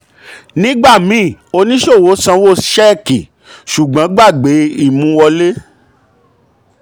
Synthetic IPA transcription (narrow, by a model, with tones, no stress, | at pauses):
nĩ˦ɡ͡ba˦˨mĩ˨˦˨o˧nĩ˦ʃo˦˨wo˨˦sã˧wo˦˨ʃɛ˦˨ki˨ | ʃu˨ɡ͡bã˨˦ɡ͡ba˦˨ɡ͡be˨˦i˦˨mũ˨˦wɔ˧le˦